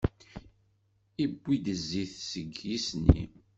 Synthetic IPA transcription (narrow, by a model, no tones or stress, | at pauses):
ibːid̪əzːiθsəɡjisnḭ